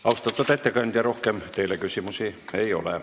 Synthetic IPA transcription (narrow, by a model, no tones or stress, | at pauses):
ɑust̪ɑt̪ːot̪æt̪ʲːækɑnt̪jɑrohkemt̪eilekysimusiˑeio̰lḛˑ